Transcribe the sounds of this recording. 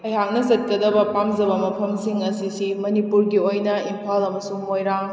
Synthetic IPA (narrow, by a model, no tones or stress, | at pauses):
ɐjɦak̚nɐzɐt̚kɐdɐbɐpamzɐbɐmɐpʰɐmsiŋɐsisimɐnipuɾɡiojnɐimpʰalɐmɐsuŋːojɾaŋ